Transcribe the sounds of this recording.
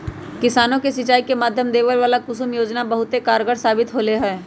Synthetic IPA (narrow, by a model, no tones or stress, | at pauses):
kɪsaːnõkesɪt͡ʃaːikemaːd̪ʱjəmd̪eːʋəlʋaːlakʊsʊmjoːd͡ʒnabɐɦʊt̪ekaːɾɡəɽsaːbɪt̪ɦoːleɦɛː